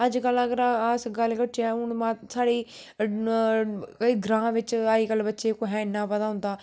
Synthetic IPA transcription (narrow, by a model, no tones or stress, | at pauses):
əd͡ʒkələɡəɾasɡəlːkəʈʰːɛːʊɳmãːsaːɽiː | kəiːɡɾãːɦʋɪt͡ʃaːiːkəlːbətːʃeːkoɦɛ̃ːɪnːãːpət̪aːɦʊ̃nd̪aː